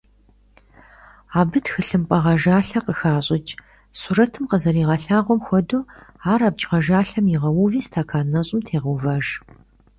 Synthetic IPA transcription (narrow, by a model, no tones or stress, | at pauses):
aːbɨtxɨɬɨmpʼɐʁɐʒaːɬɐqəxaːɕʼɪt͡ʃʼ | suɾɐtʰɨmqəzɐɾiːʁɐɬaːʁʷɔmxʷɔduːaːɾaːb̚t͡ʃʼʁɐʒaːɬɐmɪʁɐwuviːstʰaːkʰaːnɐɕʼɪmtʰeːʁəvaːʒ